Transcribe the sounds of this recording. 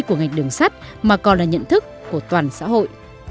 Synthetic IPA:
ku˧˩əŋa˨˩jk̚ɗɨ˨˩əŋsa˦˥t̚maː˨˩kɔ˨˩nlaː˨˩ɲə̰˧˨nt̪ʰɨ˦˥kːu˧˩ət̪waː˨˩nsa̰ː˧˥ɦo̰˧˨jʔ

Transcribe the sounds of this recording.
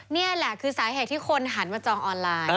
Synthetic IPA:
ni˥˩ɐlɛ˨˩kʰɯː˧saː˩˦jɦeː˨˩t̪̚ʰiː˥˩kʰo˧nɦa˩˦nmaː˧t͡ɕɔː˧ŋʔɔː˧nlaː˧j

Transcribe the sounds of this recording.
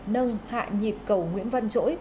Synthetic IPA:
nə˧ŋha̰ː˧˨ɲi˨˩p̚kə˧˩wŋwḭ˧˥ənva˧nt͡ɕo̰˧˥j

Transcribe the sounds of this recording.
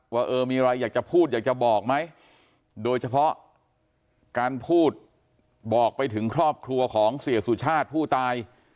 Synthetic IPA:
waː˥˩ʔɤː˧miː˧ɾa˧jːaː˨˩k̚t͡ɕa˨˩pʰuː˥˩t̪̚jaː˨˩k̚t͡ɕa˨˩bɔː˨˩k̚ma˦˥j | doː˧jt͡ɕʰa˧pʰɔ˦˥ʔ | kaː˧npʰuː˥˩t̪̚ | bɔː˨˩k̚pa˧jt̪ʰɯ˩˦ŋkʰɾɔː˥˩p̚kʰɾu˧ɐkʰɔː˩˦ŋsi˨˩əsu˨˩t͡ɕʰaː˥˩t̪̚pʰuː˥˩t̪aː˧j

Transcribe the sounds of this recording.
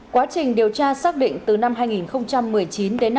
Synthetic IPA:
kwaː˨˦t͡ɕï˨˩ŋ̟ɗi˨˩əwt͡ɕaː˧saː˦˥k̚ɗḭ˧˨ŋ̟t̪ɨ˨˩na˧mɦaː˧jŋi˨˩nxə˧wŋ͡mt͡ɕa˧mːɨ˨˩əjt͡ɕi˨˦nɗe˨˦n

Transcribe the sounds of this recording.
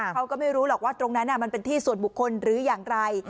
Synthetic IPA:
a˦˥wkɔː˥˩ma˥˩jɾuː˦˥lɔː˨˩k̚waː˥˩t̪ɾo˧ŋna˦˥nːa˥˩ma˧npe˧nt̪ʰiː˥˩su˨˩ənbu˨˩kʰːo˧nɾɯː˨˩˦jaː˨˩ŋɾa˧j

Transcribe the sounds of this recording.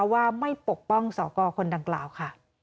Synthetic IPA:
waː˥˩ma˥˩jpo˨˩k̚pɔ˥˩ŋsɔː˨˩˦kɔː˧kʰo˧nda˧ŋkla̰ː˨˩wkʰa˥˩

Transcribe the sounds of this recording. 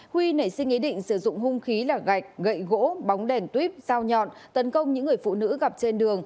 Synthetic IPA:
hwi˧nə˨˧˩jsï˧ŋ̟ʔi˨˦ɗḭ̈˧˨ŋ̟sɨ˧˩zʊ̰˧˨ŋ͡mhʊ˧ŋ͡mxi˨˦laː˨˩ɣa˨˩jk̟̚ɣə̰˧˨jɣo̰˧˥ɓa˨˦wŋ͡mɗɛ˨˩nt̪wi˦˥p̚z̥aː˧wɲɔ̰˧˨n | t̪ə˨˦nkə˧wŋ͡mɲɨ̰˧˥ŋːɨ˨˩əjfṵ˧˨nɨ̰˧˥ɣa˨˩p̚t͡ɕe˧nɗɨ˨˩əŋ

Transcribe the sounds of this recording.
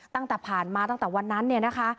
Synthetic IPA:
t̪a˥˩ŋt̪ɛː˨˩pʰaː˨˩nmaː˧t̪a˥˩t̪ɛː˨˩wa˧nːa˦˥nːi˥˩ɐna˦˥kʰa˦˥

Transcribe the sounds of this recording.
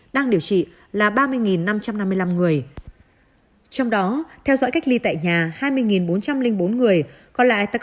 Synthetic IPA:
ɗaː˧ŋɗi˧˩əwt͡ɕḭ˧˨ | laː˨˩ɓaː˧mɨ˧əjŋi˨˩nːa˧mt͡ɕa˧mna˧mːɨ˧əjla˧mŋɨ˨˩əj | t͡ɕɔ˧wŋ͡mɗɔ˨˦t̪ʰɛ˧wzɔ̰ː˧˥jka˦˥k̚li˧t̪a̰ː˧˨jɲaː˨˩haː˧jmɨ˧əjŋi˨˩nɓo˨˦nt͡ɕa˧mlï˧ŋ̟ɓo˨˦nŋɨ˨˩əj | kɔ˧nla̰ː˧˨jt̪a˧˩

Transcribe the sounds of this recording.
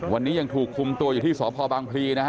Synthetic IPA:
wa˧nːiː˦˥ja˧ŋt̪ʰuː˨˩kʰːu˧mt̪u˧ɐjuː˨˩t̪iː˥˩sɔː˩˦˥pʰɔː˧baː˧ŋpʰliː˧nʰ˦˥a˦˥

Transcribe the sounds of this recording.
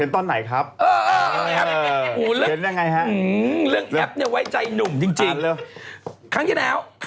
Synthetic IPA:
nt̪ɔ˧nːa˨˩jxʰaː˦˥p̚ʔəː˨˩˨ʔɛ˦˥˨lɨ˦˥i˨˦naː˧ŋa˧jɦaː˦˥˧lɨ˦˥əŋʔɛ˦˥p̚nɛ˧wa˨˦jt͡ɕa˧jnʊ˨˩ŋ͡mt͡ɕi˧ŋt͡ɕi˧˨˩lːxaː˨˦ŋt͡ɕi˧˥nʔaː˧˩wk

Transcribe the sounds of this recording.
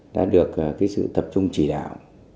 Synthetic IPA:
ɗa̰ː˧˥ɗɨ˨˩ək̚kaː˨˦jsɨ̰˧˨t̪ə˨˩p̚t͡ɕʊ˧ŋ͡mt͡ɕi˧˩ɗa̰ː˧˨w

